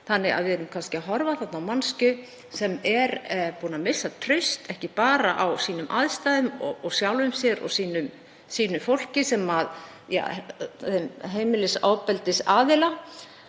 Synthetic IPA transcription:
θanːɪɣa̰ðvɪðɛɾʏmkʰanscɪaɦɔɾvaθat̪nawmanscʏ | sɛmɛɾpuːnamɪsːat̪ʰɾʏɥst̪ɛhcɪpaːɾaʔawsiːnʏmʔaðst̪ajðʏmɔɔɣsjawlvʏmsjɛɾɔ̰ɣsiːnʏm | siːnʏfowl̥cɪsɛmað | ja̰ | mɦeːjmɪlɪsaːwpɛlt̪ɪsaːðɪla

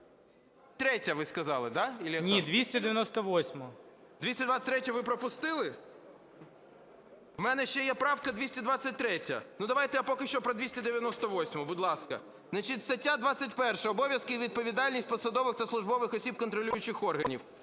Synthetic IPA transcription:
t̪ɾɛtʲːɐʋɪskɐzɑlˠɪd̪ɑilʲijɐnʲid̪ʋʲisʲtʲɐd̪ɪʋʲjɐnɔst̪ɔʋɔsʲmɔ | d̪ʲisʲtʲɐd̪ʋat͡sʲɐ̥t̪ʲɾɛtʲɐʋɪpɾɔpʊst̪ɪlˠɪ | wmɛnɛʃt͡ʃɛjɛpɾɑwkɐd̪ʲʋʲisʲtʲɐd̪ʋɑt͡sʲɐt̚ʲt̪ɾɛtʲɐ̰nud̪ɐʋɑjt̪ɛjapɔkɪʃt͡ʃɔpɾɔd̪ʋʲisʲtʲɐd̪ɪʋʲjɐnɔst̪ɔʋɔsʲmɔbʊd̪lˠɑskɐ̰ | znɐt͡ʃitʲst̪ɐtʲːad̪ʋɑt͡sʲːɐtʲpɛrʃɛɔbɔʋʲjɐskɪʋʲid̪̚pɔʋʲid̪ɑlʲnʲisʲt̚ʲpɔsɐd̪ɔʋɪxt̪ɐslˠʊʒbɔʋɪxɔsʲib̚kɔnt̪ɾɔlʲujʊt͡ʃɪxɔrɦɐnʲiw

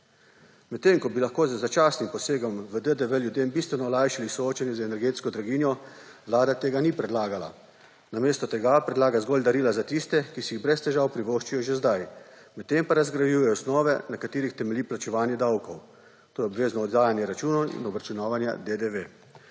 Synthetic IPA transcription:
mɛt̪ːemkɔbilaxkoːzəzat͡ʃaːsnimpɔseːɡɔmʋəd̪əd̪əʋəljud̪eːmbist̪ʋɛnɔːlajʃilisɔoːt͡ʃanjɛzɛnɛɾɡeːt̪skɔd̪ɾaɡiːnjɔʋlaːd̪at̪eːɡanipɾɛd̪laːɡala̰ | nameːst̪ɔt̪ɛɡapɾɛd̪laːɡazɡɔːlʲd̪aɾiːlazat̪ist̪ɛkisɛjiɣbɾɛst̪ɛʒaːwpɾiʋoʃt͡ʃijɔʒezd̪aj | mɛt̪ːempaɾazɡɾajuːjɛjɔsnɔːʋɛnakat̪iːɾixt̪ɛmɛliplat͡ʃɛʋaːnjɛd̪awkɔw | t̪oːjɛɔbʋeːznɔːd̪ɡaːjanjɛɾat͡ʃuːnɔḭnɔbɾat͡ʃunaːʋanja̰d̪ed̪eʋe

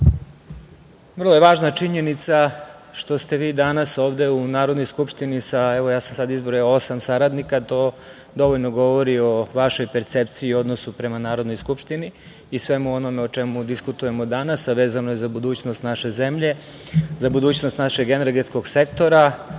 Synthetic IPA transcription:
ʋr̩lˠojeʋaːʒnat͡ʃiɲenit̪saʃt̪o̞st̪e̞ʋiːd̪anaso̞ːʋd̪e̞unaːɾo̞d̪nojskupʂt̪inisaeʋojaːsamsad̪izboɾosamsaɾad̪nikat̪o̞ː | d̪o̞ʋoʎnoɡo̞ʋoɾio̞ʋaʃo̞jpeɾt̪sept̪siiːo̞d̪nosupɾe̞manaːɾo̞d̪no̞jskupʃt̪iniː | sʋe̞muo̞no̞meot͡ʃemud̪iskut̪uje̞mo̞d̪anasaʋe̞ːzanojezabud̪uːt͡ɕnost̪naʃe̞ze̞mʎe̞ | zabud̪uːt͡ɕnost̪naʃeɡeneɾɡet̪sko̞ɡse̞kt̪o̞ɾa

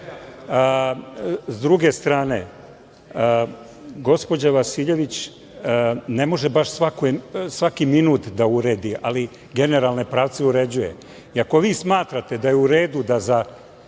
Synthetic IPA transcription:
zd̪ɾuɡe̞st̪ɾaːne̞̰ | ɡo̞spo̞d͡ʑaʋasiʎe̞ʋit͡ɕ | ne̞mo̞ʒebaʃsʋakojsʋakiminuːt̪d̪auɾe̞ːd̪iʔali | ɡe̞ne̞ɾalˠne̞pɾaːʋt̪seuɾe̞d͡ʑuje̞̰ | iako̞ʋiːsmaːt̪ɾat̪e̞d̪ajeuɾe̞ːd̪ud̪aza

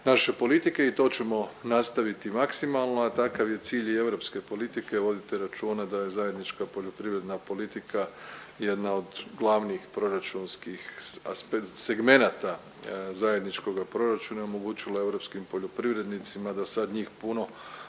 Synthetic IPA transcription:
naʃe̞po̞lit̪ike̞it̪o̞ːt͡ʃe̞mo̞nast̪aʋit̪imaksimalˠno̞at̪akaʋje̞t̪siːʎe̞ʋɾo̞pske̞po̞lit̪ike̞ʋo̞d̪it̪eɾat͡ʃuːnad̪ajezaje̞d̪nit͡ʃkapo̞ʎo̞pɾiʋɾe̞d̪napo̞lit̪ikʰa | je̞d̪nao̞d̪ɡlˠaʋniːxpɾo̞ɾat͡ʃunskixaspese̞ɡme̞nat̪a | zaje̞d̪nit͡ʃko̞ɡapɾo̞ɾat͡ʃunaomoɡut͡ʃilae̞ʋɾo̞pskimpo̞ʎopɾiʋɾe̞d̪nit̪simad̪asad̪ɲiːxpuno̞

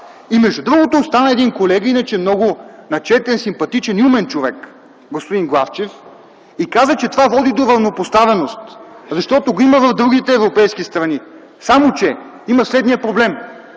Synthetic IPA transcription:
imɛʒd̪ud̪ɾuɡot̪ost̪anəɛd̪inkolɛɡəinət͡ʃɛmnɔɡʊnɐt͡ʃɛt̪ɛnsimpɐt̪it͡ʃɛniumɛnt͡ʃovɛk | ɡospod̪inɡlˠaft͡ʃɛf | ikazət͡ʃɛt̪ovavɔd̪id̪oɾɐvnopost̪avɛnost̪zɐʃt̪ɔt̪oɡoiməvɐvd̪ɾuɡ̟it̪ɛːvɾopɛjskist̪ɾɐni | samot͡ʃɛ | iməslɛd̪nijəpɾoblɛm

